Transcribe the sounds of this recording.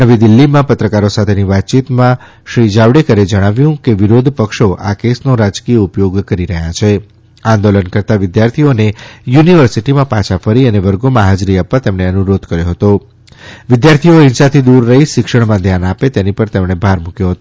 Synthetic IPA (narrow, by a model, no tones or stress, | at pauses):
nəʋid̪ɪlːimãpət̪ɾəkaɾosat̪ʰeniʋat̪̚ːt͡ʃit̪mã | ʃɾid͡ʒaʋɽekəɾed͡ʒəɽ̃aʋjũkeʋiɾod̪ʱpəkʃoʔa̰kesnoɾad͡ʒkijəupjoɡkəɾiɾəɦjat͡ʃʰe | ãnd̪olənkəɾt̪aʋɪd̪jaɾt̪ʰionejuniʋəɾsiʈimãpãt͡ʃʰafəɾiəneʋəɾɡomãɦad͡ʒɾiapʋat̪emɳeənuɾod̪kəɾjoɦət̪o | ʋɪd̪jaɾt̪ʰioɪ̃nʃat̪ʰid̪uɾːəɦiʃɪkʃəɽmãd̪ʱjanapet̪enipəɾt̪emɽ̃ebʱaɾmũkjoɦət̪o